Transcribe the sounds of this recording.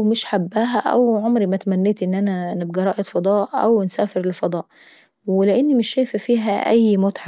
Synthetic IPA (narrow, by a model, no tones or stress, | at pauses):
mɪʃħabːæːɦæʔæ̰wʕomɾimæt̪æmænːeːt̪ʔenːʔænæneb̚ɡɾˤɑːʔed̪fɑd̪ˤɑːʔʔæ̰wnsæːfeɾlefɑd̪ˤɑːʔ | weleʔɪnːimɪʃːæjffiːɦæ̰ʔæjːmot̪ħɑ